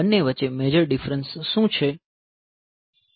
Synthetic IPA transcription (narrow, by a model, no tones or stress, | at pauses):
ənːeʋət͡ʃemed͡ʒəɾɖifɾənsːũt͡ʃʰe